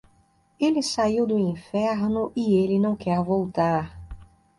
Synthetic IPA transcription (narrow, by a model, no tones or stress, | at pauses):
elɪsaiwd̪ʊĩfɛɾnʊʔɪelɪnɐ̃w̃kɛɾvowt̪aɾ